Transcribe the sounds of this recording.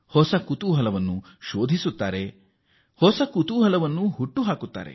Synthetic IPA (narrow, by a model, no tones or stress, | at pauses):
hɔsɐkut̪uːɦɐlɐʋɐnːu | ʃoːd̪ʱisut̪ːa̰ːɾe | hɔsɐkut̪uːɦɐlɐʋɐnːuɦuʈːuɦaːkut̪ːa̰ːɾe̞̰